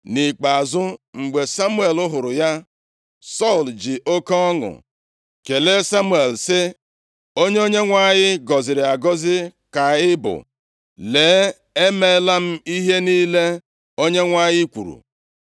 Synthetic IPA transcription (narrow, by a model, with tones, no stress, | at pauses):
nɪ˨k͡pa˨zʊ˦ŋ͡m̩˨ɡ͡be˨sa˦mu˦e˨lʊ˦ɦʊ˨ɾʊ˨ja˦ | sɔ˦˨ld͡ʒɪ˨ʔo˦ka˦ɔ˦ŋʊ̰˨ | ke˨le˦sa˦mu˦e˨lsɪ˦ | o˦ɲe˦o˦ɲe˦ŋʷa˦˨ɲɪ˦ɡɔ˨zɪ˨ɾɪ˨a˨ɡɔ˦zɪ˦ | ka˨ɪ˦bʊ̰˨ | leː˨˦ | e˦me˦la˦m̩˦i˦ɦe˦niː˦le˦ | o˦ɲe˦ŋʷa˦˨ɲɪ˦kʷṵ˨ɾṵ˨